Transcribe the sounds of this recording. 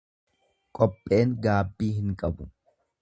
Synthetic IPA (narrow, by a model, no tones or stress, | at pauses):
kʼɔpʼːe̞ːŋɡaːbːiːɦɪŋkʼɐbʊ